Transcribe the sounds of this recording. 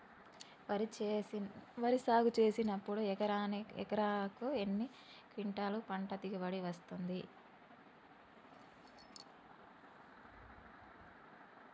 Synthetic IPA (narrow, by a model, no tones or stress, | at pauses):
ʋɐɾisaːɡut͡ʃe̞ːsinɐpːuɽuɛkɐɾaːnɛ̰kɐɾaːkuenːi | kiɳʈaːlupɐɳʈɐt̪ikiʋɐɽiʋɐst̪und̪i